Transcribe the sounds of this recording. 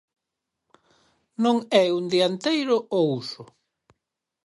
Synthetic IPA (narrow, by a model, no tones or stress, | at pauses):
nõŋɛund̪iant̪ejɾʊousʊ